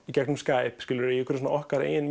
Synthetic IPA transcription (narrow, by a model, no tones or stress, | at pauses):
icɛk̚nʏmskaːjpskɪlʏɾɪɛkʰʏɾsɔnaʔɔhkaɾa̰ɪn